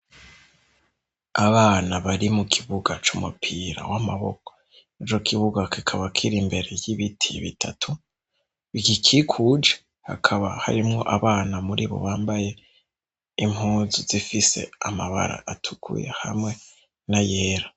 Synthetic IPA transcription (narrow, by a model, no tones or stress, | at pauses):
aβaːnaβaɾimukʰiβuɡat͡ʃumupʰiɾa̰wamaβo̞̰ko̥ | net͡ʃo̞kʰiβuɡakikʰaβakʰiɾimbe̞ɾe̞jiβitʰiβitʰatʰu | βiɡikʰikʰud͡ʒe̥ | ha̰kʰaβaha̰ɾimŋo̞ʔaβaːnamuɾʔiβo̞̰βaːmbaje̞ | imuːzuz̥ifise̞̰amaβa̰ɾa̰ʔatʰu̥kʰṵjḛhamŋe̞ | naje̞ːɾa